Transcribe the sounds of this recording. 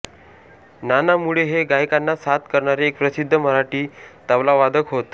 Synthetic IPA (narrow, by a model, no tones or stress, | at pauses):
nanamuɭeɦeɡajkanːasat̪kəɾɳaɾeːk̚pɾəsid̪ʱːəməɾaʈiːt̪aʋlaʋad̪ʱəkɦot̪